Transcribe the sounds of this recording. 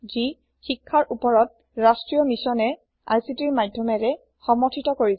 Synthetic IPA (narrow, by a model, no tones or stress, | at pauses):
zi | xikʰːaɹʔupɔɹɔt̚ | ɹastɹijɔmisɔnɛ | a̰jsitiɹmadʱjɔmɛɹɛ | xɔmɔtʰitɔkoɹi